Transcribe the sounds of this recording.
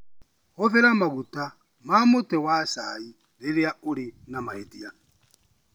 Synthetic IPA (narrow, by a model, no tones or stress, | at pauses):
ɣɔθɛɾamaɣuta | mamutɛwasai | ɾiɾiauɾinamaetia